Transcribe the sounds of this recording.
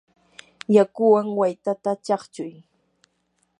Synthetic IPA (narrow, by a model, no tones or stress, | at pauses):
jakʊwaŋwajt̪at̪at͡ʃɑχt͡ʃʊj